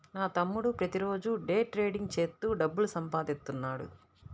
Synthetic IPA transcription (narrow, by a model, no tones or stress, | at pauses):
naːt̪ɐmːuɽupɾɐt̪iɾo̞ːd͡ʒuɖe̞ːʈɾeːɖiŋɡt͡ʃe̞ːst̪ːuːɖɐbːulusɐmpaːd̪ist̪unːaːɽṵ